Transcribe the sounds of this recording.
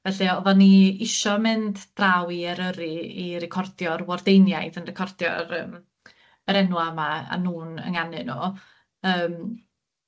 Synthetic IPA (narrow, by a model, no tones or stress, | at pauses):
vɛɬiɔvɔniɪʃɔmɨndd̥rawiɛɾəɾiirɛkʰɔrdjɔrwɔrdejnjajðənrɛkʰɔrdjɔ̰ɾəːm | əɾɛnwamaa̰nuːnə̰ŋanɨnɔ | əːm